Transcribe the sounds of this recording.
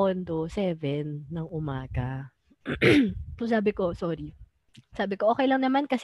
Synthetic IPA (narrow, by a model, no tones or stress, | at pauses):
ond̪osɛːvɛnːɐŋʔʊmaːɡɐ | sosaːbɪko̞soːɾi | saːbɪkoʔoːkɛjlɐŋnɐmankɐs